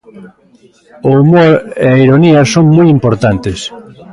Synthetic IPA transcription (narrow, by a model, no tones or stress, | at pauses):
oumoɾeɐiɾoniɐsoŋmujimpoɾt̪ant̪ɪs